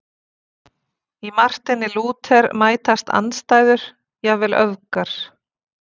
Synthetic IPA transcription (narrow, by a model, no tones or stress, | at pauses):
imar̥t̪ɪnːɪluːt̪ʰɛɾmaːjt̪ast̪ʰa̰nst̪aːjðʏɾ̥ | jɛɣvɪːlʔœðkaɾ̥